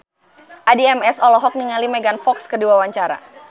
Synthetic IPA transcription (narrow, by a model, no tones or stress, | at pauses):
ʔadiɛmɛsɔlɔɦɔk̚niŋalimɛɡanfɔkskəduwawaɲt͡ʃaɾa̰